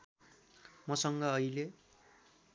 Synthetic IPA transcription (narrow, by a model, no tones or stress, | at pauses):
mʌsʌŋɡʌːile